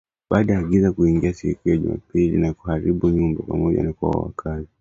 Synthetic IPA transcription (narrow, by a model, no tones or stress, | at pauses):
ɓaːɗaaɡizakuiŋɡiasiikujaʄṵma̰pilḭnakuhaɾiɓuɲumbapa̰mɔʄa̰nakwa̰wa̰wa̰kʰazi